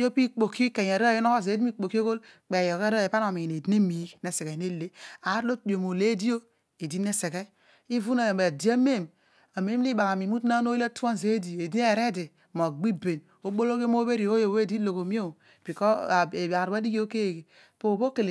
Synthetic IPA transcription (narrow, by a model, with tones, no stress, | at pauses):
jo˦pi˦k͡po˨ki˦ke˨ɲ˨a˨ɾo˦˨jo˦no˦ko˦ze˨˦di˦i˦k͡po˨ki˦o˦ɡo˦lk͡pe˨jo˨ke˦ɾa˦e˨pa˦n˦o˨mi˨i˨ne˨di˦ne˦mi˨˦ne˨se˨ke˨ne˦le˦a˨˦ɾlo˦di˨o˨mo˨le˦di˦o˦ | e˨di˦ne˦se˨ɡe˦ | i˦vu˦na˨e˨di˦a˦me˦˨m | a˨me˦m˦li˦ba˨ka˨mi˨mu˦tna˦no˦i˦la˦tu˦a˦n˨ze˨˦di˨e˨di˦ne˦˨ɾe˦di˨ | mo˨ɡ͡bi˦be˨n | o˦bo˦lo˦ɡe˦m˦o˦be˦ɾi˨o˦jo˨we˦˨di˦lo˨ko˨mi˦o˦˨ | b̥i˨kɔ˦˨e˨a˨ɾu˨˦a˦di˦ɡi˦o˦ke˦je˨ɡe˨ | po˨bo˦ke˨le˨